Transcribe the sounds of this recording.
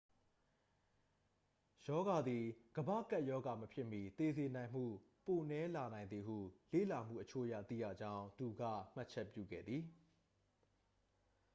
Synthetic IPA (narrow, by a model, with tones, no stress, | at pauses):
jɔ˦ɡa˨d̪i˨ɡ̥əbä̰˦˨ka˦ʔjɔ˦ɡa˨məpʰjɪ˦ʔmji˨t̪e˨ze˨nã˨ɪ̃m̥ṵ˦˨ | po˨nɛ˨˦la˨nã˨ɪ̃nd̪ði˨ɦṵ˦˨lḛ˦˨la˨m̥ṵ˦˨ʔət͡ɕʰo˦ʔəjä̰˦˨t̪ḭ˦˨jä̰˦˨d͡ʑã˦ʊ̃nt̪u˨ɡä̰˦˨m̥a˦ʔt͡ɕʰɛ˦˨pjṵ˦˨ɡɛ̰˦˨d̪ði˨